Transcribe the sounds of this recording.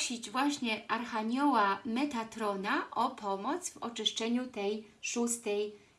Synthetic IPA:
ɕid͡ʑvwaɕɲɛaɾxaɲɔwamɛt̪at̪ɾɔnaʔɔpɔmɔt̪svɔt͡ʂɘʂt͡ʂɛɲut̪ɛjʂust̪ɛj

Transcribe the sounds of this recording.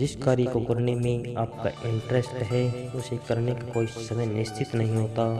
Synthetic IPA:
d͡ʒɪskaːɾikoɡʊɾnemẽaːpkaɪ̃ɳʈɾɛsʈɦɛʊsekɐɾnekakoːisɐməjnɪst͡ʃʰɪt̪nɐɦĩɦoːt̪aː

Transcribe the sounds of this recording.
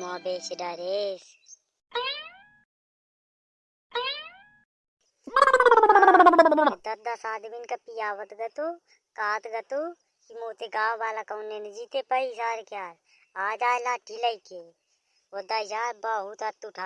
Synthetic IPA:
maːbeːt͡ʃiɖaːɾes | d̪ɐd̪asaːd̪minkapijaːʋət̪ɡɐt̪o | kaːt̪ɡɐt̪u | kimoːt̪eɡaːʋaːlakɐunːenɐd͡ʒiːt̪epəisaːɾkjaːɾ | aːd͡ʒaːjlaːʈːilaike | wod̪aːd͡ʒaːbaːɦut̪ɐt̪ːuʈʰaː

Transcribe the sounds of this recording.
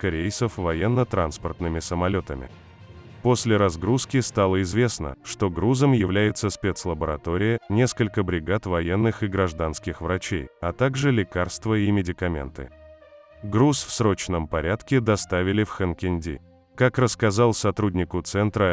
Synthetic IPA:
kɐɾʲejt̪səfvɐjenːət̪ɾanspərt̪nɨmʲɪsəmɐlʲo̞t̪əmʲɪ̰ | po̞sʲlʲɪɾɐzɡɾuskʲɪst̪alˠəɪzvʲe̞snə̰ʂt̪o̞ɡɾuzəmjɪvlʲæjɪt̪səspʲet̪slˠəbəɾɐt̪o̞ɾʲɪjənʲe̞skəlʲkəbɾʲɪɡat̪vɐjenːɨxɪɡɾɐʐd̪anskʲɪxvɾɐt͡ɕḛjɐt̪aɡʐɨlʲɪkarst̪vəimʲɪdʲɪkɐmʲḛnt̪ɨ̰ | ɡɾusfsɾo̞t͡ɕnəmpɐɾʲat̪kʲɪd̪ɐst̪avʲɪlʲɪfxənkʲɪnʲdʲḭ | kakrəskɐzalˠsɐt̪ɾudʲnʲɪkʊt̪sɛnt̪ɾə

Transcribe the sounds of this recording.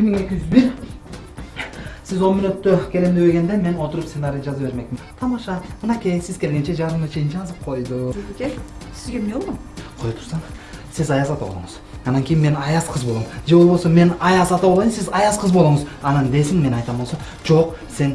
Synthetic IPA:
bɪɾmiŋe̞kʲiʒyzbiɾ | sizo̞lmynøt̪ːøkʲʰe̞lemd̪ebeɡe̞nd̪eme̞no̞t̪ʊɾupsenaɾʲijd͡ʒɑzɑpbe̞ɾme̞k̚t̪ʰɑmɑʃɑmɯnɑkʲʰejsizkʲʰe̞lɡʲe̞nt͡ʃed͡ʒɑɾd̪ɯmnɑt͡ʃʰe̞jint͡ʃɛɑzɯp̚qʰo̞jd̪ukʲesizɡʲemeolˠom | qʰojt̪ʰu̥ɾsɑnsizɑjɑzɑt̪ɑbolˠṵɴəzɑnɑŋkʲʰijinme̞nɑjɑsqʰəzbo̞lˠmd͡ʒe̞βolˠbo̞lˠsome̞nɑjɑsɑt̪ɑβolˠɑsizɑjɑsqʰəzbo̞lˠuɴəzɑnɑnd̪e̞sɪŋme̞nɑjt̪ɑmbo̞lˠso | d͡ʒo̞q | se̞n

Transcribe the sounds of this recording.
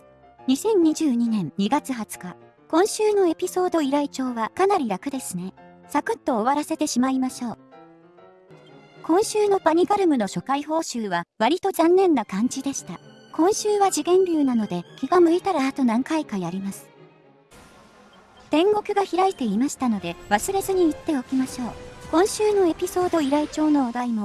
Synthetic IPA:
ɲ̟isẽ̞ɲ̟ɲiʑɨːɲ̟inẽ̞nːiɡat͡sɨɦat͡sɨ̥ka | kõ̞ɰ̃ɕɨːno̞e̞pʲiso̞ːd̪o̞iɾait͡ɕo̞ːβakanaɾʲiɾakɯ̟d̪e̞sɨnesakɯ̟t̪ːo̞ːβaɾase̞t̪e̞ɕimaimaɕo̞ː | kõ̞ɰ̃ɕɨːno̞paɲ̟iɡaɾɯ̟mɯ̟no̞ɕo̞kaiɦo̞ːɕɨːβaβaɾʲit̪o̞zãnːẽ̞nːakãɲ̟d͡ʑid̪e̞ɕi̥t̪a | kõ̞ɰ̃ɕɨːβad͡ʑiɡẽ̞mbʲɨːnano̞d̪e̞kʲiɡamɯ̟it̪aɾaːt̪o̞nãŋkaikajaɾʲimasɨ̥ | t̪ẽ̞ŋɡo̞kɯ̟ɡaçiɾait̪e̞imaɕi̥t̪ano̞d̪e̞βasɨɾe̞zɨɲ̟iːt̪ːe̞o̞kʲimaɕo̞ːkõ̞ɰ̃ɕɨːno̞e̞pʲiso̞ːd̪o̞iɾait͡ɕo̞ːno̞ːd̪aimo̞

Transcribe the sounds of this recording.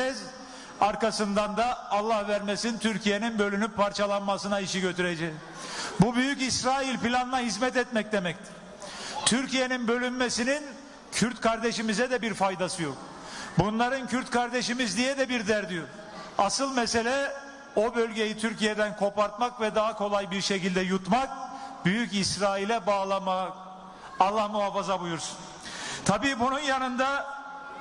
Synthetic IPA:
ɛz | aɾkasɯnd̪and̪aːlˠːahvæɾmesint̪ʰyɾcʰije̞ninbø̞lʲynypʰːaɾt͡ʃʰalˠanmasɯnaiʃiɟø̞t̪ʰyɾed͡ʒɛ | bubyjycisɾaːilʲpilʲanɯnaɦizmɛt̪ɛt̪̚mɛc̚d̪e̞mɛc̚t̪ʰɪ | t̪ʰyɾcije̞ninbø̞lʲynmesinin | cʰyɾt̪kʰaɾd̪eʃimizɛd̪ɛbiɾfajd̪asɯjo̞k̚ | bunlˠaɾɯncʰyɾt̪kʰaɾd̪eʃimizd̪ijɛd̪ɛbiɾd̪æɾd̪ijoɾ | asɯlˠmɛse̞lʲɛ | o̞bølʲɟe̞jit̪ʰyɾcijed̪ænkʰo̞paɾt̪makvɛd̪aɦakʰo̞lˠajbiɾʃecilʲd̪ɛjut̪mak̚byjycisɾaːilʲɛbalˠama | alˠamuɦafazabujuɾsu̥n | t̪ʰabiːbununjanɯnd̪a

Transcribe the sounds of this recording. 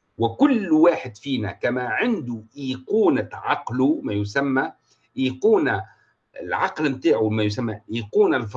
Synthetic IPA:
wɪkʊlːwaːħɪd̪fiːnækæmæʕɪnd̪uʔiːquːnaʕɑqlumæjʊsæmːæ | ʔiːquːna | lʕɑqlmt̪aːʕumæjʊs̬æmːæʔiːquːnalf

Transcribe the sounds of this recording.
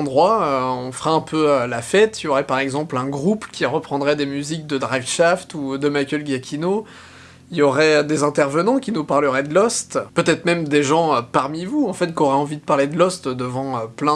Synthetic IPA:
d̪ʁwaøɔ̃fχɛɛ̃pʰøølafɛt̪iljɔʁɛpaʁɛɡzɑ̃plɛ̃ɡʁupkʲiʁəpχɑ̃d̪ʁɛd̪emyzik̚d̪əd̪ʁavʃaft̪ud̪əmajkʲɛlɡjakʲʰino | iljɔʁɛd̪ezɛ̃t̪ɛʁvənɑ̃kʲinupaʁləʁɛd̪əlɔst̪pøt̪ɛt̪χmɛmd̪eʒɑ̃øpaʁmivuɑ̃fɛt̪kɔʁɛɑ̃vid̪əpaʁled̪əlɔst̪d̪əvɑ̃øplɛ̃

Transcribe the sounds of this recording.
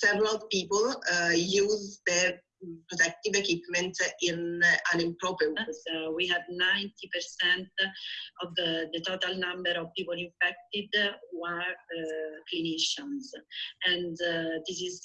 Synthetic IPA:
sɛvɾalvpiːpɔljuːzd̪ə | pɾɔt̪ɛk̚t̪ivekwipmɛ̃ntĩnãnĩmpɾɔpəzwiɦɛdnãjnt̪ipɛɾsɛ̃nt̪ɔvd̪ət̪ot̪alnãmbɛɾɔvpiːpolĩɱfɛk̚t̪id̪wə | kliniʃə̃nsɛ̃ndd̪isiz

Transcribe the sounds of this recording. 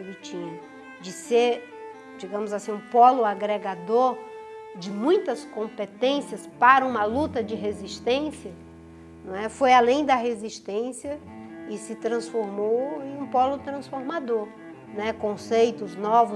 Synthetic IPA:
lit͡ʃĩʊ | d͡ʒɪseɾ | d͡ʒiɡɐ̃mʊzasĩũpɔlʊaɡɾeɡad̪oɾd͡ʒɪmũj̃t̪ɐskõpet̪ẽsiɐspaɾɐũmɐlut̪ɐd͡ʒɪɦeziʃt̪ẽsiɐ | ñɛfojalẽj̃d̪ɐɦeziʃt̪ẽsiɐ | ɪsɪt̪ɾɐ̃sfoɾmowẽj̃ũpɔlʊt̪ɾɐ̃sfoɾmad̪oɾ | nɛkõsejt̪ʊznɔvʊ

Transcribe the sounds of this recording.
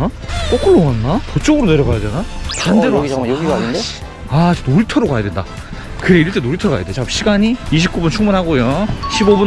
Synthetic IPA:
k͈ok͈ɯɭːoŋanːapʌt͡ɕ͈ʌɡɯɾone̞ɾjʌɣajadenapandeɾo | e | at͡ɕnoɾitʰʌɾokajadwe̞nda̰ | kɯɾe̞iɭt͈enoɾitʰʌɡa̰ja̰det͡ɕapɕʰiɡaɲiiɕ̬ʰip̚k͈ubunt͡ɕʰuŋbunɦaɡojoɕʰibobun

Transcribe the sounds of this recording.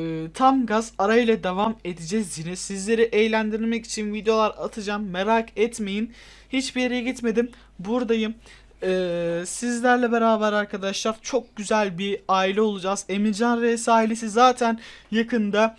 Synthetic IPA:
t̪ʰamɡazaɾajɯlˠad̪evame̞d̪id͡ʒɛzjinɛsizlʲe̞ɾiʔɛjlʲænd̪iɾiɾmɛci̥t͡ʃʰinvid̪ejo̞lˠaɾat̪ʰɯd͡ʒamːe̞ɾakʰɛt̪me̞jin | hit͡ʃbijeɾejɛɟit̪me̞d̪im | buɾd̪ajɯm | ɛːsizlʲæɾlʲɛbe̞ɾaːbæɾaɾkʰad̪aʃlˠaɾt͡ʃʰo̞k̚ɟyzælʲbiaːilʲɛo̞lˠud͡ʒaze̞miɾd͡ʒanɾesaːɦilʲesizaːt̪ʰænjakʰɯnd̪a

